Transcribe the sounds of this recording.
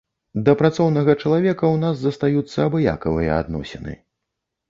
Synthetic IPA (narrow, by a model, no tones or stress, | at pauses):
d̪ɐpɾat̪sɔwnɐɣɐt͡ʂɐlˠavʲɛkɐwnazːɐst̪ajut̪sːɐːbɨja̰kɐvɨjɐ̰a̰d̪nɔ̰sʲɛnɨ̰